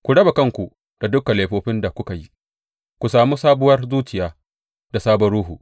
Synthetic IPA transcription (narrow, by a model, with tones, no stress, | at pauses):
kʷu˨ɽɐ˦ba˨kɐ˦ŋkʷu˨ | d̥a˨dʊ˦kːa˨leː˨ɸoː˨ɸɪ˦nda˨kʷʊ˦ka˨ji˦ | kʷu˨saː˨muː˦saː˦bʊ˦wɐ˦rzuː˦t͡ʃɪ˨jaː˦ | da˨saː˦bɔ˦ɽuː˦ɦuː˨